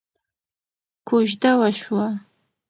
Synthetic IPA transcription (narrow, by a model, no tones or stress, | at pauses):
kʷʰʊʒdɐwɐʃwa